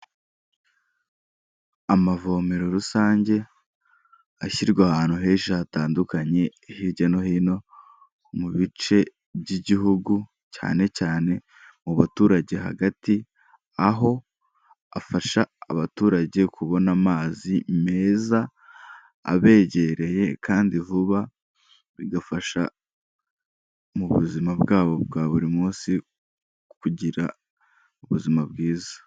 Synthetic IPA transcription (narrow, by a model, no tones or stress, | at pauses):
amavo̞me̞ɾo̞ɾusaːɲɟe̞ | açiɾɡwahaːn̥uɦe̞ːʃaataːndukaɲe̞ihiɾɟeno̞hino̞ | muβit͡ʃe̞ | bɟiɟiɦuɡu | ca̰ːne̞caːne̞ | muβatuːɾaɟe̞ɦa̰ɡati | aɦo̞ | afaʃaːβatuːɾaɟe̞kʰuβo̞namaːzime̞ːza̰ː | βe̞ːɟe̞ɾe̞je̞kʰaːndivuβa | βiɡafaʃa | muβṵzimabɡaːβo̞bɡaːβuɾimuːsi | kuɟiɾa̰ | uβuzimab̚ɡiːzḁ